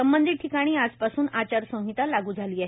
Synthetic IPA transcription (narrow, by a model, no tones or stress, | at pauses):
əmbənd̪ʱiːʈʰːikaɽ̃iːad͡zpasuːnat͡ɕaɾsə̃ɦit̪alaɡuːd͡zʱaliːaɦ